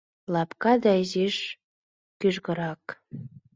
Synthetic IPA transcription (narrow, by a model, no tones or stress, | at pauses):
lɑpkɑd̪ɑiziʃ | kyʒɣɤ̆ɾɑk